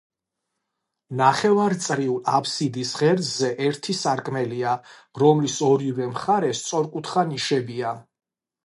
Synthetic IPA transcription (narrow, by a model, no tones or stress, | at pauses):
naχɛvaɾt̪sʼɾiulapʰsid̪isʁɛɾzɛʔɛɾt̪ʰisaɾkʼmɛliaɾɔmlisɔɾivɛmχaɾɛst̪sʼɔɾkʼut̪ʰχaniʃɛbia